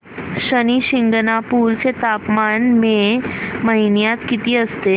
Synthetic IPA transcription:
ɕəniɕiŋɡnapuɾt͡set̪apmanmeməɦinjat̪kit̪iəst̪e

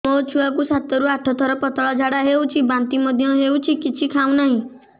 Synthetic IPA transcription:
mot͡ʃʰuakusat̪ɔɾuaʈʰɔt̪ʰɔɾɔpɔt̪ɔɭɔd͡ʒʱaɽaɦewt͡ʃʰibant̪imɔd̪ʱjɔɦewt͡ʃʰikit͡ʃʰikʰaw̃naɦĩ

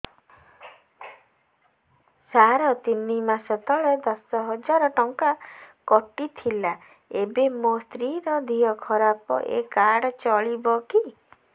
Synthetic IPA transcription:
saɾɔt̪inimasɔt̪ɔɭed̪ɔsɔɦɔd͡ʒaɾɔʈɔŋkakɔʈit̪ʰila | ebemost̪ɾiɾɔd̪ʱijɔkʰɔɾapɔ̰ʔḛkaɽɔt͡ʃɔɭibɔki

